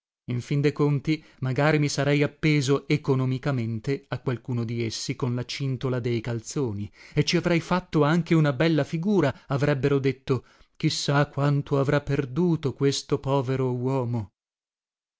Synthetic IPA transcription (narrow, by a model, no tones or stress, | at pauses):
iɱfind̪ekont̪i | maɡaːɾimisaɾɛjapːeːzoekonomikament̪eakwalkuːnod̪iesːikonlat͡ʃint̪olad̪ejkalt̪soːniet͡ʃːiavɾɛjfat̪ːoaŋk̟eunabɛlːafiɡuːɾaavɾɛbːeɾod̪et̪ːo | k̟isːakːwant̪ʰoavɾapːerd̪uːt̪okwest̪opɔːveɾowɔːmo